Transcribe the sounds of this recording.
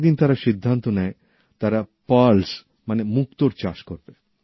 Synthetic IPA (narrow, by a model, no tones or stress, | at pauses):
d̪int̪aɾaʃid̪ʱːant̪onɛe | t̪aɾapals | manemuk̚t̪oɾt͡ɕaʃkoɾbe